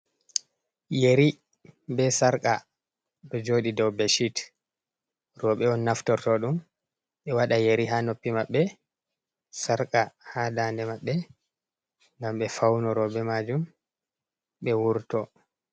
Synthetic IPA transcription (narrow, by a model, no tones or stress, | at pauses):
jeɾi | bɛsaɾkʼa | ɗɔd͡ʒoːɗidɔwbeʃit | rɔɓɛɔnːaftɔɾtɔɗum | ɓɛwaɗajeɾiɦanopːimaɓːɛ | saɾkʼahadaːndɛmaɓːɛ | ŋɡamɓɛfawnɔɾɔɓɛmad͡ʒum | ɓɛwuɾtɔ